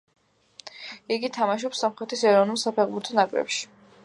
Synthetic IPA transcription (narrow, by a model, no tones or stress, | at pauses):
iɡit̪ʰamaʃ̬ɔpsːamχɾɛt̪ʰisɛɾɔvnulˠsapʰɛʁbuɾt̪ʰɔnakʼɾɛ̰pʃi̥